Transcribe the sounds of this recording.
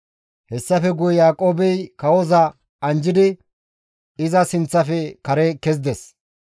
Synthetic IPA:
hɛsːɐfɛɡʊjɛjaːkʼoːbɛjkɐwɔzɐ | ɐnd͡ʒɪd̪ɪ | ɪzɐsɪnt͡sːɐfɛkɐɾɛkɛz̬d̪ɛs

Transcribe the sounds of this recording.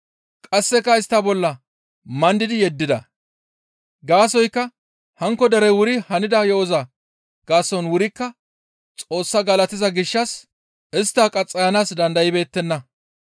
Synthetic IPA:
kʼɐsːɛkːɐɪst̪ːɐbɔlːɐ | mɐnd̪ɪd̪ɪjɛd̪ːɪd̪ɐ | ɡaːsɔjkːɐ | hɐŋkːɔd̪ɐɾɛwʊɾɪhɐnɪd̪ɐjɔʔɔza | ɡ̥aːsɔnwʊɾɪkːɐ | t͡sʼo̞ːsːɐɡɐlɐt̪ːɪzɐɡɪʃːɐs | ɪst̪ːaːkʼɐt͡sʼːɐjɐnaːsd̪ɐnd̪ɐjɪbe̞ːt̪ːɛnːɐ

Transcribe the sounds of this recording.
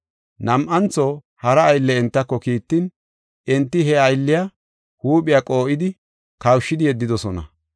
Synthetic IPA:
nɐmʔɐnt͡sːo | hɐɾɐːjlːɛɛnt̪ːɐkːɔkiːt̪ːɪn | ʔɛnt̪ːɪɦɛɐjlːɪja | huːpʼɪjakʼo̞ːʔɪd̪ɪ | kɐwʃːɪd̪ɪjɛd̪ːɪd̪ɔsɔnɐ̰

